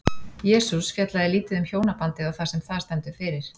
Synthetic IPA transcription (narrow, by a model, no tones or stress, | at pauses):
jɛːsusfjɛt̪laðɪliːt̪ɪðʏmçjoːwnapant̪ɪðawθasɛmθaðst̪ɛnt̪ʏ̥fɪːɾɪɾ̥